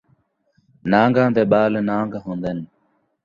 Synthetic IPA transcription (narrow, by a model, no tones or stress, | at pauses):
nãːŋɡãːd̪eːɓaːlnãːŋɡɦõːnd̪eːn